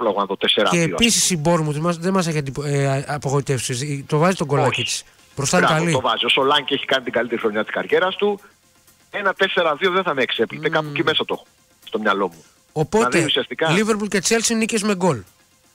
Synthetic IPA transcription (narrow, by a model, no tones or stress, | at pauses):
lɐɣonðot̪eseɾɐ̰eːo̰pisisibo̞ɾmut̪izmɐðemɐs̬e̞çiɐnd̪ipɐpoɣo̞it̪e̞fsist̪o̞vɐzit̪oɡo̞lɐcit̪i̥s | b̥ɾost̪ɐɾɐllit̪ovɐziosolɐɲcieçi̥kɐnit̪iɡɐlit̪eixɾo̞ɲɐt̪i̥skɐɾʝe̞ɾɐst̪u | enɐt̪e̞se̞ɾɐðio̞ðeθɐmeːkse̞plit̪ekɐpuceme̞sɐt̪ox | st̪o̞mɲɐlo̞mu | opo̞ðt̪eiusiɐst̪ikɐliveɾpulce̞t͡selsinicezme̞ɡo̞l